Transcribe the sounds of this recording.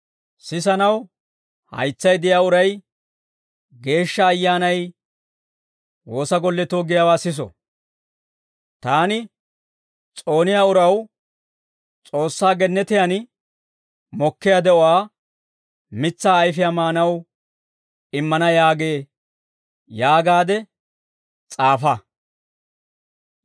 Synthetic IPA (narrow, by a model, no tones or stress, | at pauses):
sɪs̬ɐnɐw | hɐ̰jt͡sːɐjd̪ɪjaːʊɾɐj | ɡe̞ːʃːɐːjːaːnɐj | wo̞ːsɐɡɔlːɛt̪oːɡɪjaːwaːsɪs̬ɔ̰ | t̪aːnɪ | t͡sʼo̞ːnɪjaːʊɾɐw | t͡sʼo̞ːsːaːɡɛnːɛt̪ɪjan | mɔkːɪjad̪ɛɔwaː | mɪt͡sːaːjfɪjamaːnɐw | ɪmːɐnɐjaːɡeː | jaːɡaːd̪ɛ | t͡sʼaːfɐ